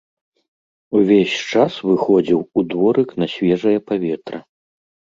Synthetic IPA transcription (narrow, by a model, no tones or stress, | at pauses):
uvʲesʲt͡ʂasvɨxɔd͡zʲiwud̪vɔɾɨknɐsʲvʲɛʐɐjɐpavʲɛt̪ɾɐ